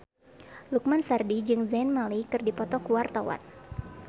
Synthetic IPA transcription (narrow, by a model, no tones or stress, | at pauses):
luk̚mansardid͡ʒɨŋzɛnmalikɨrdipɔt̪ɔkuwart̪awa̰n